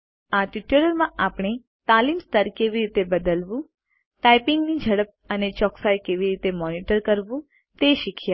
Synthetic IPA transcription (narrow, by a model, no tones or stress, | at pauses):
aʈiʈələɾmãʔapɳ̃e | t̪alimst̪əɾkeʋiɾit̪ebəd̪əlʋũ | tajpɪŋɡnid͡ʒʱəɽəp̚ənet͡ʃɔksajkeʋiɾit̪emɔniʈəɾkəɾʋũ | t̪eʃikʰja